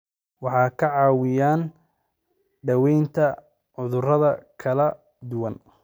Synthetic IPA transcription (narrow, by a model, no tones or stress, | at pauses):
wɑħɑːkʰɐʕɑːwɪjaːn | ɖɐwɛjnt̪ʰɐ | ʕʊðʊrɐðɐkʰɐlɐ | d̪ʊwɐn